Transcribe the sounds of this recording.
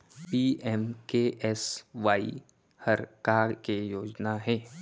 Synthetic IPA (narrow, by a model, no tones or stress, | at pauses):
piːʔɛmkeʔɛsʋaːḭ | həɾkakejoːd͡ʒnaɦɛː